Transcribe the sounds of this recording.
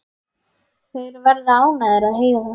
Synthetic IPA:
seːɾʋəɾd̪aːũnəɾəɦeː

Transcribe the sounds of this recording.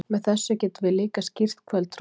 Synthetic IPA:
mɛðθɛsːʏcɛːt̪vɪliːkascir̥t̪kʰvɛlt̪ɾ

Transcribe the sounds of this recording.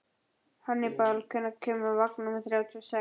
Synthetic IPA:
hanːɪpalkʰɛnːakʰʏːmʏvaknnumɪθɾjaːwt̪ʰiɔsɛ

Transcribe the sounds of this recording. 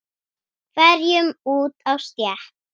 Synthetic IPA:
vɛɾjʏmuːt̪awst̪jɛh

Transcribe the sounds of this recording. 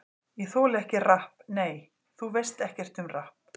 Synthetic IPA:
jɛθoːlɪɛhcɪrahpneːj | θuvejst̪ɛhcɛr̥t̪ʏmrahp

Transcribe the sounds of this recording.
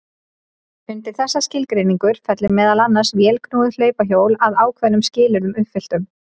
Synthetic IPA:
ʏnt̪ɪɾ̥θɛsːascɪlkɾeːjniŋkʏɾ̥fɛt̪lɪmɛːðalanːaɾsvjɛːlkʰnuːðʏl̥œːɥpaçoːwlaðaːwkʰvɛnʏmscɪːlʏɾðʏmʏpfɪl̥t̪ʏm

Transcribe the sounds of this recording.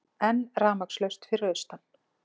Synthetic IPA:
ɛnraːmakslœɥst̪fɪɾœðst̪an

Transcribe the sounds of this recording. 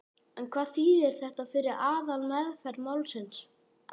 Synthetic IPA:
ɛnkʰvaːðθiːðɛɾ̥θɛht̪afɪɾɪɾaːðalmɛðfɛɾmawlsɪns

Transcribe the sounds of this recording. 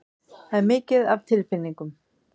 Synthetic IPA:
haðɛɾmɪːcɪðav̥t̪ʰɪlfɪnːiŋkʏm

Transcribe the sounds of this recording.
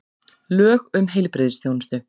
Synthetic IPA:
lœːɣʏmɦejlpɾɪðsθjownɪst̪ʏ

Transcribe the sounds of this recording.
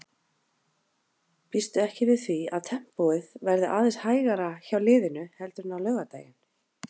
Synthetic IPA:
pist̪ʏɛhcɪvɪðθiaðt̪ʰɛm̥pɔɪðvɛɾðʏʔaːðɛnshaːjɣaɾaçawlɪːðɪnʏhɛlt̪ʏɾnawlœːɣat̪a̰ːjɪn̥

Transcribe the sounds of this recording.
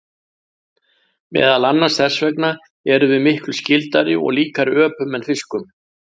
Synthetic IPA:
mɛ̰ːðalanːaɾ̥sθɛsvɛkna | ɛɾʏvɪðmɪhklʏscɪlt̪aɾɪɔ̰ɣliːkaɾɪœːpʏmɛnfɪskʏm

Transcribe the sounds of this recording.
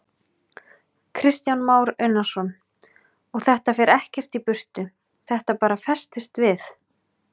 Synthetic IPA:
kʰɾɪst̪janmaːwɾœɥnasɔn | ɔɣθɛht̪afɛɾʔɛhcɛr̥t̪ipʏr̥t̪ʏ | θɛht̪apaːɾafɛst̪ɪst̪vɪθ

